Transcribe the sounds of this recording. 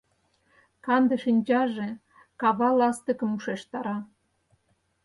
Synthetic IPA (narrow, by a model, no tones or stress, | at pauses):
kɑnd̪ə̆ʃinʲt͡ɕɑʒe | kɑβɑlɑst̪ə̆kə̆muʃeʃt̪ɑɾɑ